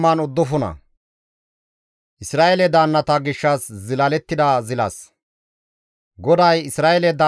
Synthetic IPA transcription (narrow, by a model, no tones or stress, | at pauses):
mːɐnʊd̪ːʊfʊnɐ̰ | ʔɪsɾaːʔɛlɛd̪aːnːɐt̪aɡɪʃːɐszɪlɐlɛt̪ːɪd̪ɐzɪlɐ̰s | ɡɔd̪ɐjɪsɾaːʔɛlɛd̪aː